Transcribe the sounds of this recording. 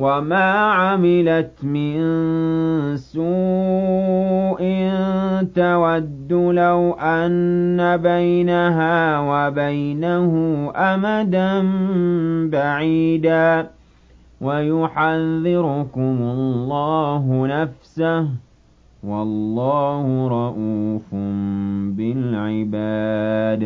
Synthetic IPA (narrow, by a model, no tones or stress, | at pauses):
wamaːʕamɪlat̪mɪn | suː | ʔɪnt̪awad̪ːʊlawʔanːabajnaɦaːwabajnahʊʔamad̪an | baʕiːd̪aː | wajʊħaðːɪɾʊkʊmʊlːɑːɦʊnafsah | wɑlːɑːhʊɾˤɑʔuːfʊmbɪlʕɪbaːd̪